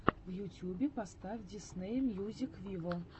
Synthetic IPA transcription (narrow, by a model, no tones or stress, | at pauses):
wjutʲjubʲɛpast̪afʲdʲisnɛjɛmjuzʲikvʲivɔ